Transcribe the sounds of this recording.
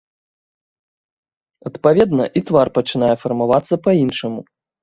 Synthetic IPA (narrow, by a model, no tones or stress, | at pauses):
ɐt̪pavʲɛd̪nɐ̰ʔit̪varpɐt͡ʂɨnajɛfɐrmavat̪sːɐpainʂɐmu